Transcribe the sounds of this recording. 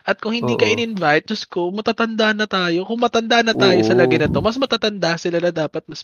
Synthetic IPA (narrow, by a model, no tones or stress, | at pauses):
ʔɐt̪̚kʊŋhɪnd̪iːkɐʔɪnɪnvajt̪̚d͡ʒʊskomɐt̪aːt̪ɐnd̪aʔnɐt̪aːjo̞kʊŋmɐt̪ɐnd̪aʔnːɐt̪aːjo̞sɐlɐɡɐjnɐt̪o̞mɐsmɐt̪aːt̪ɐnd̪asɪlalad̪aːpɐt̪̚mɐs